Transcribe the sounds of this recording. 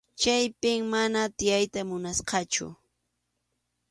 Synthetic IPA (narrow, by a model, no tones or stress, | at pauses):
t͡ʃajpɪŋmanat̪ɪjajt̪amʊnasqɑt͡ʃʊ̰